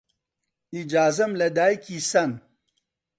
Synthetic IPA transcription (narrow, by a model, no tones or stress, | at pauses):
id͡ʒaːzɐmlɐd̪aːjkisɐn